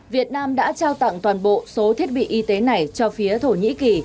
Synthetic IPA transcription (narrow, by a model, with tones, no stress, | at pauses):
vi˨˩ət̚naː˧mɗa̰ː˧˥t͡ɕaː˧wt̪a̰˧˨ŋt̪waː˨˩nɓo̰˧˨so˨˦t̪ʰi˦˥ət̚ɓḭ˧˨ʔi˨˧t̪e˨˦na˨˩jt͡ɕɔ˧fi˨˦ət̪ʰo˧˩ɲḭ˧˥ki˨˩